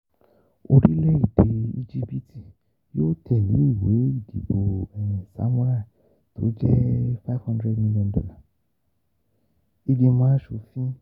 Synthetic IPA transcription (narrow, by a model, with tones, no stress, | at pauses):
o˧ɾi˦lɛ˦i˨de˨i˧d͡ʒi˦bi˦tʰi˨ | jo˦tʰɛ˨lṵ˨˦i˦˨we˨˦i˦˨dḭ˨bo˨ɛ˨ĩ˨sa̰˨˦mũ˦ɾa˦˨ | tʰo̰˨˦d͡ʒɛ˦fa˦vhɔ̃˦ndɾɛ˦dmĩ˧li˦ɔ̃˧ndɔ̰˧la˨ | i˧ɡe˧mãː˦ʃu˧˨fĩ˦